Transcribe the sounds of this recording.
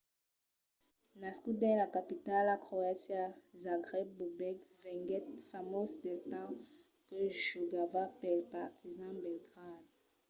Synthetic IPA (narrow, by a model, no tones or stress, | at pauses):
naskudɛ̃lakapitalakʁoasjazãɡʁɛbubɛɡvɛ̃ŋɡɛtfamosdetɑ̃ | kəʒuɡavapɛlpaʁtizɑ̃bɛlɡʁad̚